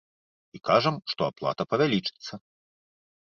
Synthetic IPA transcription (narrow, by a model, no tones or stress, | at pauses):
ikaʐɐmʂt̪ɔaplˠa̰t̪ɐpɐvʲalʲit͡ʂɨ̥t̪sːɐ